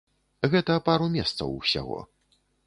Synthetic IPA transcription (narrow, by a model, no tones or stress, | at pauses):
ɣɛt̪ɐpaɾumʲɛst̪sɐ̰wsʲa̰ɣɔ̰